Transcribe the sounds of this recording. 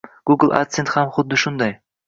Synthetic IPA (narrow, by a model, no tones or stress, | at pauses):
ɡ̥uɡlˠa̰t̪sent̪hamχʊd̪ːɪʃʊnd̪ɑj